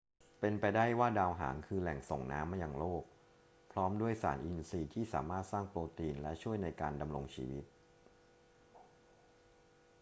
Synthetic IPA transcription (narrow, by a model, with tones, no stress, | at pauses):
pe˧npa˧jdaː˥˩jwaː˥˩daː˧wɦa̰ː˩˦nkʰɯː˧lɛ˨˩ŋso˨˩ŋna̰ː˦˥mːa˧˩jaː˨˩ŋloː˥˩k̚ | pʰɾɔː˦˥mdu˥˩əjsa̰ː˩˦nʔi˧nsiː˧t̪ʰiː˥˩sa̰ː˩˦maː˥˩t̪̚saː˥˩ŋploː˧t̪iː˧nlɛ˦˥t͡ɕʰu˥˩əjna˧jkaː˧nda˧mɾo˧ŋt͡ɕʰḭː˧wi˦˥t̪̚